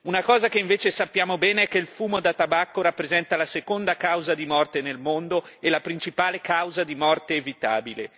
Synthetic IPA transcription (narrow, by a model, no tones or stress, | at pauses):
unakɔːzakeiɱveːt͡ʃesapːjaːmobɛːneɛkːeilfuːmod̪at̪ːabakːoɾapːɾezɛnt̪alasekond̪akawzad̪imɔrt̪enelmond̪o | elapɾint͡ʃipaːlekawzad̪imɔrt̪eːvit̪a̰ːbile